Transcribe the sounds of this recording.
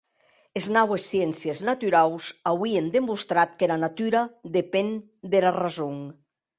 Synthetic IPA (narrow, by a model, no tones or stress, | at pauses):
eznawesːjɛnsjeznat̪yɾawsawiend̪emust̪ɾat̪kelanat̪yɾad̪epen | d̪elarazoŋ